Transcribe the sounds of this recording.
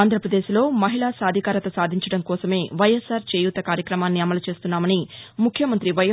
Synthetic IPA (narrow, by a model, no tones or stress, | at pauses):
aːnd̪ʱɾɐpɾɐd̪e̞ːʃlo̞ːmɐɦilaːsaːd̪ʱikaːɾɐt̪ɐsaːd̪ʱiɲt͡ʃɐɽɐŋkɔːsɐme̞ːʋɐjesaːɾt͡ʃeːjut̪ːɐkaːɾjɐkɾɐmaːnːiɐmɐlut͡ʃe̞ːst̪unːaːmɐnimukʰjɐmɐnt̪ɾiʋɐj